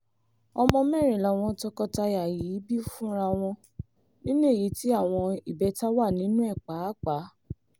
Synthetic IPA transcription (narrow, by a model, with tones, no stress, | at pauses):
ɔ˧mɔ̃˧mɛ˦˨ɾ̃ĩ˨la˨˦˨w̃ɔ̃˧tɔ˧kɔ˧ta˧ja˨ji˨˦bi˦fũ˦ɾa˧w̃ɔ̃˧ | nĩ˦nũ˦e˦˨ji˨˦ti˦a˦˨w̃ɔ̃˧i˨bɛ˧˦ta˦wa˦˨nĩ˨˦nũ˦ɛ˦˨k͡pa˨˦k͡pa˨˦